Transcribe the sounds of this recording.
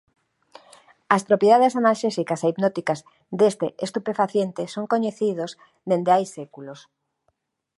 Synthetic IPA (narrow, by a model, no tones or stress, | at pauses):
ɐspɾopjeaðesanalʃesikaseipnot̪ikaz | d̪est̪eʔest̪upefaθjent̪esoŋkoɲeθið̞oz | d̪end̪eajsekulos